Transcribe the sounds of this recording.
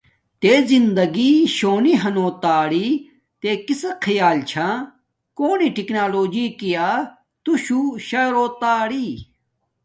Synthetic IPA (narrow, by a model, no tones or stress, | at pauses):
t̪eːzind̪ɐɡiɕoːniɦɐnoːt̪aːɽi | t̪eːkisɐkʰijaːlt͡ɕʰã | koːniʈiknaːloːd͡ʑikijaː | t̪uɕuɕɐɾoːt̪aːɽi